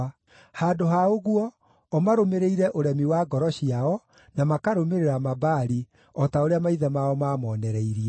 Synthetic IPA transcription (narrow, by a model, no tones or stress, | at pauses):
haːdoɦaoɣwɔ | ɔmaɾomeɾeiɾɛʔoɾɛmiwaːɡɔɾɔɕiaɔ | namakaɾomeɾeɾamabaːɾi | ɔtaoɾeamaiðamaɔmaːmɔːnɛɾɛiɾiɛ